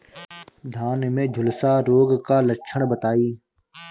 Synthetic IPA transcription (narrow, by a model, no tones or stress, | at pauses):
d̪ʱaːnmẽːd͡ʒʱʊlsaːɾoːɡkaːləkʃʰəɳ̃bət̪aːiː